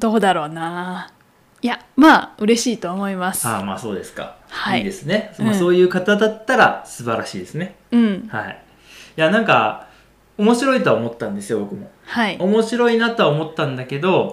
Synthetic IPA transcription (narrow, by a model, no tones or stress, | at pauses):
d̪̥o̞ːd̪aɾo̞ːnaː | jamaːɯ̟ɾe̞ɕiːt̪o̞ːmo̞imasɨḁːma̰ːso̞ːd̪e̞sɨ̥ka̰ | haid̪e̞sɨne̞somaso̞ːjɯ̟ːkat̪ad̪at̪ːaɾa̰sɨbaɾaɕiːd̪e̞sɨne̞ | ɯ̟̃ɴhaḭ | janãŋka̰ | omo̞ɕiɾo̞it̪o̞aomo̞t̪ːãnd̪e̞sɨjo̞bo̞kɯ̟mo̞̰haiomo̞ɕiɾo̞inat̪o̞aomo̞t̪ːãnd̪ake̞d̪o̞